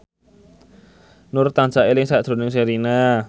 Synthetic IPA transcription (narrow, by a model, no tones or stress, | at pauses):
nʊrt̪ant͡ʃaʔelɪŋsad̪̥ɾo̤nɪŋseɾina